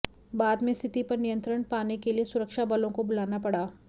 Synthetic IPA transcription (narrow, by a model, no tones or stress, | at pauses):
baːd̪mẽst̪ʰɪt̪ipɐɾnijə̃nt̪ɾəɳ̃paːnekeliesʊɾəkʃabɐlõkobʊlaːnapɐɽaː